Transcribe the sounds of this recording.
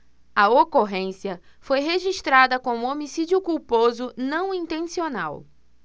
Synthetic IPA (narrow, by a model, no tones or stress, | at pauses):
ɐokoɦẽsiɐ | fojɦeʒiʃt̪ɾad̪ɐkõmʊ̃omisid͡ʒiʊkuwpozʊnɐ̃w̃ĩnt̪ẽsiona̰w